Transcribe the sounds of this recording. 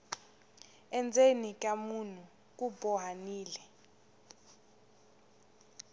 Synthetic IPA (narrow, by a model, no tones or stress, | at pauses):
ɛnd͡zʱenik̬ʼamun̤u | k̬ʼubɔɦaniːlɛ